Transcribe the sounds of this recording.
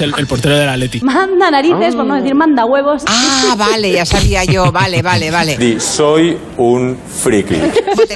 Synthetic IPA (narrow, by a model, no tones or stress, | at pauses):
elelpoɾt̪eɾoðelalet̪imãnd̪anaɾiθe̞spoenozðeθiɾmãnd̪aɣwe̞β̞o̞saβale̞ʝasaβiaʝoβaleβaleβaled̪isoj | un | fɾikḭ